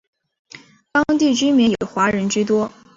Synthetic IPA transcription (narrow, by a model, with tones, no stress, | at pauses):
t̪ɑ˥ŋt̪i˥˩t͡ɕy˥mɛ˧˥jɛ˨˩xwa˧˥ɻə˧˥nt͡ɕy˥t̪wɔ˥